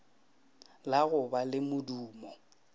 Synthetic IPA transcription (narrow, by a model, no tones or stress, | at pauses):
laɣʊbalɪmʊduːmɔ